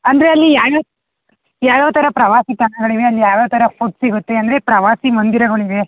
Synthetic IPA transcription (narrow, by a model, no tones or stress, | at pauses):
ɐnd̪ɐɾeɐlːijaːjɐː | jaːʋoːt̪ɐɾɐpɾɐʋaːsit̪ɐɳɐɡɐɭiʋeɐlːijaːʋoːt̪ɐɾɐkut̪siɡut̪ːe̞ɐnd̪ɐɾe̞pɾɐʋaːsimɐnd̪iɾɐɡoɳiʋe